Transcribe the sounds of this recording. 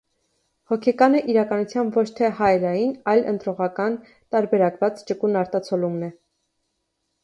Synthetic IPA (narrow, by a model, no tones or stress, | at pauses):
hɔkʰɛkɑnəʔiɾɑkɑnut͡sʰjɑmvɔt͡ʃʰt̪ʰɛhɑjɛlɑjinɑjlə̰nt̪ɾɔʁɑkɑn | t̪ɑɾbɛɾɑkvɑt͡st͡ʃəkunɑɾt̪ɑt͡sʰɔlumnɛ